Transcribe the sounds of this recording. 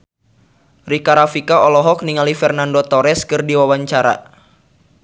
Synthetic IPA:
rikaɾafikaɔlɔɦɔk̚niŋalifɛrnandot̪ɔɾɛskɨrdiwawaɲt͡ʃaɾa̰

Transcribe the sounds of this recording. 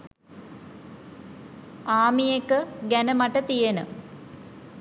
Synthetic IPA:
aːmijekːɨɡɐnɐmɐʈːɐt̪ijɐnɨ

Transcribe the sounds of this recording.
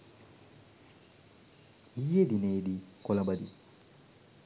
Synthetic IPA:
ijed̪ineːd̪ikɔlɐbɐd̪i

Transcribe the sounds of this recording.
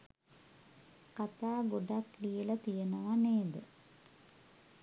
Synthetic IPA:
kat̪aːɡoɖaklijələt̪ijənəʋaneːd̪ə

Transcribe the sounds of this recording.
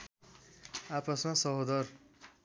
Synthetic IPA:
apʌsmasʌɦod̪ʌɾ

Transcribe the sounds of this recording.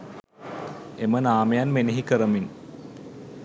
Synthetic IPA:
emənaːmejanmeneɦikəɾɐmin

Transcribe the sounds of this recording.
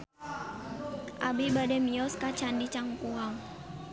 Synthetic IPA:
ʔabibadɛmiɔskat͡ʃandit͡ʃaŋkuaŋ

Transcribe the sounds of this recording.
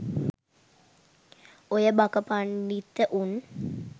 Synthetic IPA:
ojəbakəpaɳɖit̪ːəʔun

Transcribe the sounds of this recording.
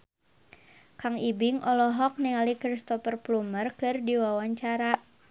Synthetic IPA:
kaŋibɪŋʔɔlɔɦɔk̚niŋalikɾist̪ɔfərplumərkɨrdiwawaɲt͡ʃaɾaʔ

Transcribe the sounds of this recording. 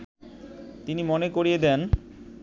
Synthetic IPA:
t̪inimonekoɾied̪ɛn

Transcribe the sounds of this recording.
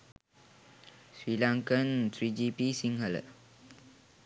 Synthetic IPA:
swilãŋkə̃nt̪ʰɹid͡ʒipisĩŋhəl

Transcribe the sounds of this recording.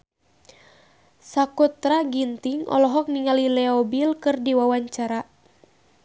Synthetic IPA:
sakut̪ɾaɡint̪iŋʔɔ̰lɔɦɔk̚niŋalilɛɔbilkɨrdiwawaɲt͡ʃaɾa

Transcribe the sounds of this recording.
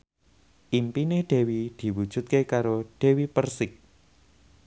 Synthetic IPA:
ʔimpinɪhɖ̪̥ɛ̤wid̪̥i̤wud̥ʒ̥ṳt̪̚kekaɾoɖ̥ɛ̤wipərsɪk̚

